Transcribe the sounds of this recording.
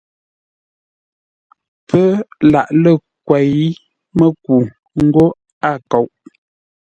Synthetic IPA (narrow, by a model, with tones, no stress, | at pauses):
pʰə˦la˨ʔlə˦˨kwɛ˨i˦ | mə˦k̚u˨ | ŋ̩˦ɡo˦ | a˦˨ko˨wʔ